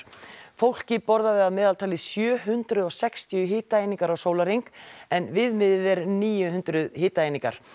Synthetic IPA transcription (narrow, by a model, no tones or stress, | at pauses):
fowl̥cɪpɔɾðaðɪaðmɛːðalt̪ʰaːlɪsjœːɦʏnt̪ɾʏðɔɣsɛkst̪iʏɦɪːt̪aejniŋkaɾawsoːwlaɾiŋkɛnvɪðmɪðɪðɛɾniːjʏɦʏnt̪ɾʏðhɪːt̪aejniŋka̰ɾ̥